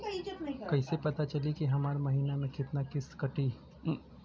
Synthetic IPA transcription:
kɐisepɐt̪at͡ʃɐlikiɦɐmaːɾmɐɦiːnamẽkɪt̪nakɪskɐʈiː

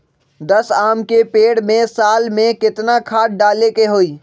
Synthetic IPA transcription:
d̪əsaːmkepeːɽmẽsaːlmẽkɪt̪nakʰaːʈ̚ɖaːlekeɦoiː

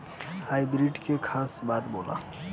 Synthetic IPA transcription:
haːibɾiːʈkekʰaːsbaːd̪boːla̰ː

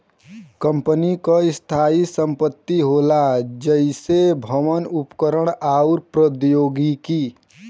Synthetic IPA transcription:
kə̃mpənikaɪst̪ʰaːisə̃mpət̪ːiɦoːlad͡ʒəɪsebʱəʋənʊpkəɾəɳ̃aːuɾpɾəd̪joːɡikiː

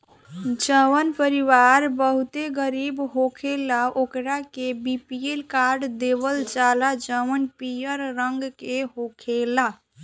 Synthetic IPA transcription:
d͡ʒəwənpəɾiʋaɾbəɦut̪eɡəɾibɦokʰelaʔokɾakebipielkaɾɖd̪ebəld͡ʒalad͡ʒəʋənpijəɾːəŋɡkeɦokʰela

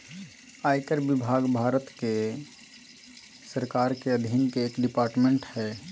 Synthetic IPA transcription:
aːɪkəɾbɪbʱaːɡbʱaːɾət̪ke | səɾkaːɾkeəd̪ʱinkeeːkɖɪpaːɾʈmẽɳʈhɛː

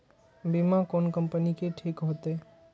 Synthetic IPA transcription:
bimakoːnkəmpənikeʈʰikɦot̪eː

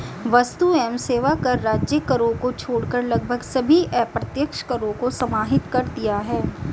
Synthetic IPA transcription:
ʋɐst̪uɛːmseːʋakɐɾːaːd͡ʒjəkəɾõkot͡ʃʰoːɽkəɾlɐɡ̚bʱəɡsɐbʱiʔɛːpɾɐt̪jəkʃkəɾõkosɐmaːɦɪt̪kɐɾd̪ijaɦɛː

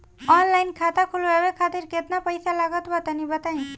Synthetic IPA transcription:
ɔnlaɪnkʰat̪akʰulʋabekʰat̪iɾket̪napəjsalaɡət̪bət̪anibət̪anĩ

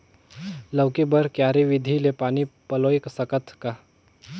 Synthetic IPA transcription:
ləwkebəɾkjaːɾeʋɪd̪ʱilepaːnipɐloːɪksɐkət̪ʰka

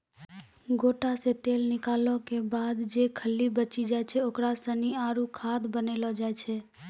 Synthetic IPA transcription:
ɡoʈaset̪eːlnɪkalɔ̃kebaːd̪d͡ʒekʰəlːibət͡ʃid͡ʒaɛt͡ʃʰɛokɾasəniaːɾukʰad̪bənelɔd͡ʒaɛt͡ʃʰɛ

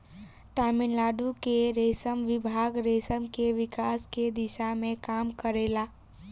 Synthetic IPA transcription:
ʈaminlaɖukeɾesəmʋɪbʱaɡɾesəmkeʋikasked̪iʃamẽkamkəɾela

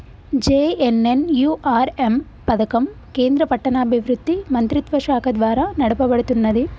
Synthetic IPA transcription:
d͡ʒeːenenjuːʔaːɾem | pɐd̪ɐkɐm | ke̞ːnd̪ɾɐpɐʈːɐnɐːbʱiʋɾud̪ːimɐnt̪ɾit̪ʋɐʃaːkʰɐd̪ʋaːɾɐnɐɽɐpɐbɐɽut̪unːɐd̪i

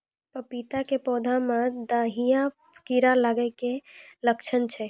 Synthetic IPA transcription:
pəpit̪akepɔd̪ʱamãd̪aɦijapʰkiɾalaɡəkeləkt͡ʃʰənt͡ʃʰɛ

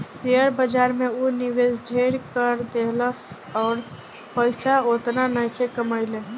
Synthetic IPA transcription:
seəɾbəd͡ʒaɾmeoniʋezɖʱeɾkəɾd̪eɦləs | ɔːɾ | pəɪsaot̪nanəjkʰekəməɪle

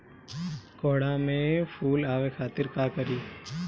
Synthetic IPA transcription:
koːɽamẽpʰuːlaːʋekʰaːt̪ɪɾkaːkəɾiː

